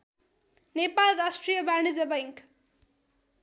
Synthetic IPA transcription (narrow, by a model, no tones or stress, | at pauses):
nepalrasʈrijʌbanid͡zʌbajŋk